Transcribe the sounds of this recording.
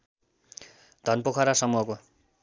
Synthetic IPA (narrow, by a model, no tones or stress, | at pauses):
d̪ʱʌnpokʰʌɾasʌmuɦʌko